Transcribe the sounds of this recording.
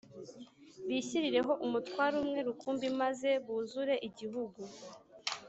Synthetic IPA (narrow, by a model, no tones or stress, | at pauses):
βiːçiɾiɾe̞ɦo̞ʔumutwaːɾumŋe̞ɾukuːmbimaze̞βuzuɾe̞ʔiɟiɦuɡu